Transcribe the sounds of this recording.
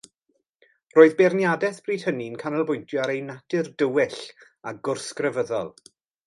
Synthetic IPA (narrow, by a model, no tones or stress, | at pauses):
roːɨðbernjadɛθb̥riːd̥həninkʰanəlˠbʊjntʰjɔaɾejnatɪrdəwɪɬ | aɡʊrskrəvəðɔlˠ